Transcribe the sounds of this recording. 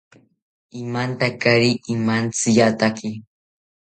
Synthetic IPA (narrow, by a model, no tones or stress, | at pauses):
ɪmant̪akaɾiɪmant͡sɪjat̪akɪ